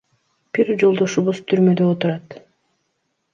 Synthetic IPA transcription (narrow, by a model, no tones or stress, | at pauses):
piɾd͡ʒo̞lˠd̪o̞ʃuβuz̥t̪ʰyɾmø̞d̪øot̪uɾɑt̪